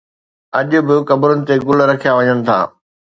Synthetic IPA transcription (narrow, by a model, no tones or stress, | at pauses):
ɐʄʊ̆bɪkɐbɾʊnɪ̆t̪eɡʊlɾɐkʰijaʋɐɲənɪ̆t̪ʰa̰ː